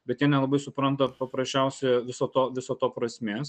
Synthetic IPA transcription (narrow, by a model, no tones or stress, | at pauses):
bʲɛt̪jʲiɛnʲɛlˠɐbɐɪsʊpɾɐnt̪ɐpɐpɾɐsʲt͡ʃʲɛʊsʲɛɪʋʲɪsoːt̪oːʋʲɪsoːt̪oːpɾɐsʲmʲeːs